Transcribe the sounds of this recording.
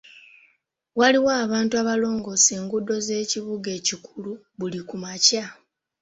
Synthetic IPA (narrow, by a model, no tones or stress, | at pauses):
waliwaːβaːntuaβalo̞ːŋɡo̞se̞ːŋɡudo̞ze̞ːciβuɡe̞ːcikʰulu | βulikumaca